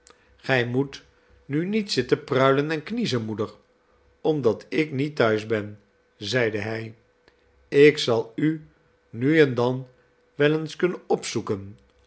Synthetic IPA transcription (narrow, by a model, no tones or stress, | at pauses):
χɛjmut | nynitsɪtəprœɥlənɛnknizənmudəɹ | ɔmdɑtʰɪknitœɥzbɛn | zɛjdəɦɛj | ɪksɑlˠy | nyɛndɑn | ʋɛlənskɵnənɔpsukən